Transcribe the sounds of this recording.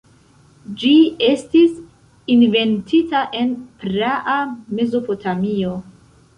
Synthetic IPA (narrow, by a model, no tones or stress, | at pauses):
d͡ʒie̞stis | inve̞ntʰitaʔe̞npɾaʔame̞zo̞po̞tʰamio̞